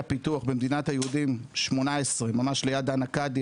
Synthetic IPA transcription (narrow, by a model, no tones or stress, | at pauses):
pit̪uaχbemd̪inat̪hajeudimʃmo̞naesʁe̞mamaʃlejad̪anakadi